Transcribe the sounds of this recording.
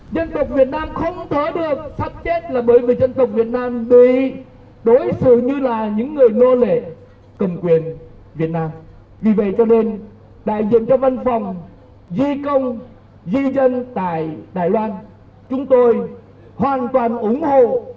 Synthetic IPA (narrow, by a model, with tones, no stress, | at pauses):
zə˧nt̪ə˨˩wk͡p̚vi˨˩ət̚naː˧mxə˧wŋ͡mt̪əː˨˦ɗɨ˨˩ək̚faː˦˥p̚t͡ɕe˦˥t̚laː˨˩ɓəː˨˦jvi˨˩zə˧nt̪ə˨˩k͡p̚vi˨˩ət̚naː˧mɓḭ˧˨ | ɗo˨˦jsɨ̰˧˨ɲɨ˧laː˨˩ɲɨ̰˧˥ŋːɨ˨˩əjno˧lḛ˧˨ | kə˨˩ŋ͡mkwi˨˩ən | vi˨˩ət̚naː˧m | vi˨˩və̰˧˨jt͡ɕɔ˧ne˧n | ɗa̰ː˧˨jzḭ˧˨əmt͡ɕɔ˧və˧nfa˨˩wŋ͡m | zi˧kə˧wŋ͡m | zi˧zə˧nt̪a̰ː˧˨jɗaː˨˩jlwaː˧n | t͡ɕʊ˨˦ŋ͡mt̪o˧j | hwaː˨˩nt̪waː˨˩nʔʊ˨˦ŋ͡mho̰˧˨